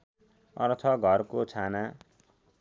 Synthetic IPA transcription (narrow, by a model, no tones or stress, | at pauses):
ʌ̰rt̪ʰʌɡʱʌrkot͡sʰana